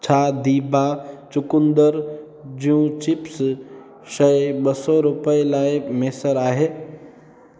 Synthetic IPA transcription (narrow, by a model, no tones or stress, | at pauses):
t͡ʃʰaːd̪iːbat͡ʃʊkʊnd̪əɾ | d͡ʑiũt͡ʃɪps | ʃɐɪɓɐsɔɾʊpəelaːɪmeːsəɾaːɦeː